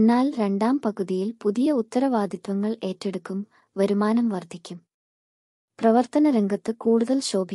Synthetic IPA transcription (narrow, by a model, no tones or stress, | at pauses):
nːaːlɾe̞ɳɖaːmpɐɣuðijilpuðijɐut̪ːɐɾɐʋaːd̪ʱit̪ʋɐŋːɐɭe̞ːtːe̞ɽukːum | ʋɐɾumaːnɐmʋɐrd̪ʱikʲːum | prɐʋɐrt̪ɐnɐɾeŋɡʱɐt̪ːɨkuːɽuðɐlɕo̞ːbʱi